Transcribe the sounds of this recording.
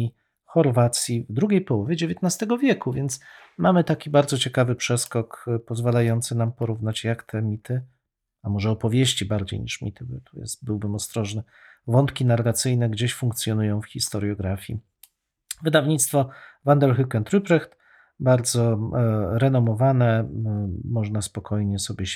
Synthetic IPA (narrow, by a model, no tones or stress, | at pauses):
i | xɔɾvat̪sʲjivd̪ɾuɡʲejpɔwɔvʲjeɛd͡ʑevʲjet̪nast̪ɛɡɔvʲjɛkuvʲjɛnt̪s | mamɘt̪akʲibaɾzɔt͡ɕɛkavɘpʂɛskɔkpɔzvalajɔnt̪sɘnampɔɾuvnat͡ɕjakt̪ʰɛmʲit̪ʰɘ | amɔʐɛɔpɔvʲjeɕt͡ɕibaɾd͡ʑḛjɲḭʂmʲḭt̪ɘbɔt̪ʰujɛ̰st̪bɘwbɘmɔst̪ɾɔʐnɛ | vɔnt̪kʲinaɾɛɡat̪sɘjnɛɡd͡ʑeɕfuŋk̚t̪sʲjɔnujɔ̃w̃fxʲist̪ɔɾjɔɡɾafʲjḭ | vɘd̪avɲit̪st̪fɔvand̪ɛlxɘkɛnt̪ɾɘpɾɛxt̪ | baɾd̪zɔ | ɾɛnɔmɔvanɛ | mɔʐnaspɔkʰɔjɲɛsɔbʲjɛ